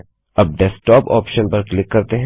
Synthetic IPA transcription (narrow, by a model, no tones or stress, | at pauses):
ɐb̚ɖɛsʈɔːpɔ̰ːpʃənpɐɾklɪkːɐɾt̪eɦɛ̃